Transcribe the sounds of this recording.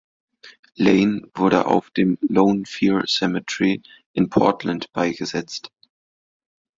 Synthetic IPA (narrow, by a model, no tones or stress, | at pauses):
leɪnvʊɐɾə̰ʔa̰ʊfd̥eːmloʊnfiːɹsɛmətʰʁi | ʔɪnpʰɔ̰ɐtʰlantb̥aɪɡəzɛt͡st